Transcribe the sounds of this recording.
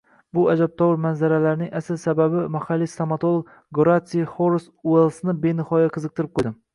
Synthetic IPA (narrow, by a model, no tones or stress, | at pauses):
bʊad͡ʒab̚t̪ʰɒwɪɾmanzaɾalaɾnɪŋasɪlsababɪmahalːist̪amat̪ʰolˠoɡ | ɡɾat̪siχoɾsuelˠsnɪbenɪhɒjaqʰɨzɨq̚t̪ʰɪɾɪp̚qʰojd̪ɪm